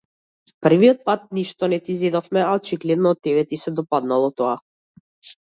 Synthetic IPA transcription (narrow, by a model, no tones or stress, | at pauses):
pər̩viɔt̪̚pat̪̚niʃt̪ɔnɛt̪izɛd̪ɔfmɛaɔt͡ʃiɡlɛd̪nɔːt̪ːɛβɛt̪isɛd̪ɔpad̪nalˠɔt̪ɔa